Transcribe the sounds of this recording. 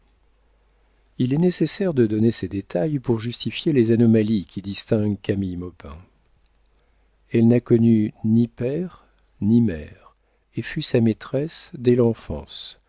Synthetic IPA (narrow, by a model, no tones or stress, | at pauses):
ilɛnesesɛʁd̪əd̪ɔnesed̪et̪ajpuʁʒyst̪ifjelezanɔmalikʲid̪ist̪ɛ̃ɡkamijmɔpɛ̰̃ | ɛlnakɔnynipɛʁ | nimɛːʁ | efysamet̪χɛsd̪ɛlɑ̃fɑ̰̃s